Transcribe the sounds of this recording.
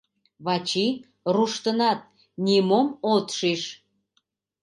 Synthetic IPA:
βɑt͡ɕi | ruʃt̪ənɑt̪̚ | nʲemomot̪ʃiʃ

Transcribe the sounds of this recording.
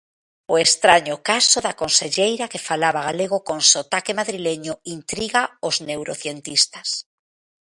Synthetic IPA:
oest̪ɾaɲʊkasoðakonseʎejɾakefalaβaɣaleɣ̞okonsot̪akemaðɾileɲʊint̪ɾiɣaoznewɾoθjent̪ist̪as

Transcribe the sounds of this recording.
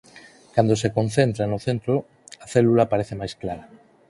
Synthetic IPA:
kand̪osekonθent̪ɾanʊθent̪ɾo | aθɛlulapaɾeθemajsklaɾa

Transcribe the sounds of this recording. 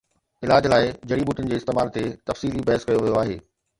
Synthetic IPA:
ɪlaːd͡ʑlaːɪd͡ʑɐɽibuːʈʊnɪ̆d͡ʑeːɪst̪eːmaːlt̪et̪ɐfsiːlibɐɦəskɐjoʋijoaːɦḛː

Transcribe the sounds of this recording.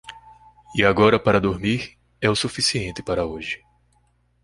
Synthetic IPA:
iaɡɔɾɐpaɾɐd̪oɾmiɾ | ɛʊsufisiẽnt̪ɪpaɾɐoʒɪ̥

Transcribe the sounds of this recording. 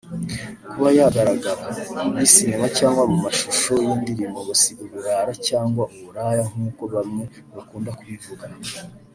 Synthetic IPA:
kuβajaɡaɾaɡaɾaβisiɲimacaːŋɡwamumaʃuʃo̞jiːndiɾimbo̞βasiɡuβuɾaːɾacaːŋɡwaʔuβuɾaːjaŋ̥uːko̞βamŋe | βakuːndakuβivuɡa

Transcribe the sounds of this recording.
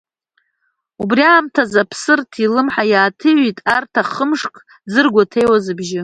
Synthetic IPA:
ubriaːmtʰazapʰsɨrtʰilɨmħajaːtʰɨɥitʼartʰaχəmʂkʰʼ | d͡zɨrɡʷatʰe̞jwazɨbʒɪ

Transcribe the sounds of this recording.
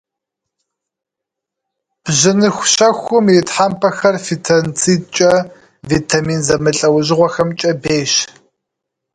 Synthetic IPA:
b̥ʑɪnɨxʷɕɐxʷʊmjɪtħampʰɐxɐrfitʰɐnt͡sʰit͡ʃʼɐ | vitʰamiːnzɐmɨɬʼɐwʑɪʁʷɔxɐmt͡ʃʼɐbeːɕ

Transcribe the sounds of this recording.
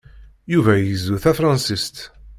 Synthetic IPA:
juvæjəzːuθæfɾˤɑnsist̪

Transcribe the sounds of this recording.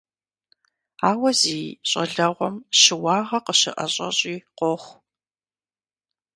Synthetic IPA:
aːwɐziːɕʼɐɮɐʁʷɔmɕɨwɑːʁɐqəɕɪʔɐɕʼɐ̰ɕʼiːqʷɔχʷ

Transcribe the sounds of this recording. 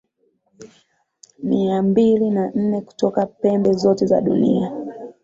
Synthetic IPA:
miambilinan̩nɛku̥tɔkapɛmbɛzɔtɛza̰ɗṵnḭa

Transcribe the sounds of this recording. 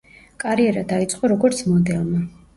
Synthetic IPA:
kʼaɾiɛɾad̪ait̪sʼqʼɔɾɔɡɔɾt̪sʰmɔd̪ɛlˠma

